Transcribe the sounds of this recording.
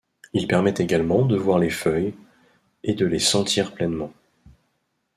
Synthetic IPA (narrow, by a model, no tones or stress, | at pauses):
ilpɛʁmɛt̪eɡalmɑ̃d̪əvwaʁlefœj | ed̪əlesɑ̃t̪ʰiʁplɛnmɑ̃